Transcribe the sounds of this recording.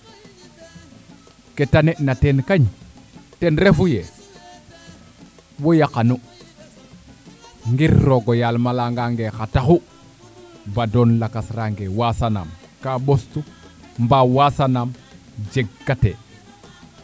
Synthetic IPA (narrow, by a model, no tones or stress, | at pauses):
ketaneʔnatenkaɲ | tenɾefuje | wojakanu | ŋɡiɾːoɡojalmalaŋɡaŋɡexataxu | badonlakasɾaŋɡewasana̰m | kaɓostu | mbawasanam | d͡ʒeɡːate